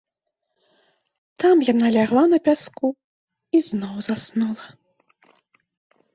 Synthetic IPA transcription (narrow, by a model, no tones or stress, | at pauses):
t̪amjanalʲaɣlˠanɐpʲasku | iznɔwzasnulˠɐ